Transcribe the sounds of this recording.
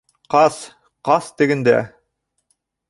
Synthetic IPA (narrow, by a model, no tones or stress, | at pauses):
qɑs | qɑst̪ɘ̆ɡɘ̆nd̪æ̰